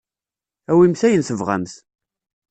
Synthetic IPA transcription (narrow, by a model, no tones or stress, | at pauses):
æwimθæjənθəvʁæ̰mθ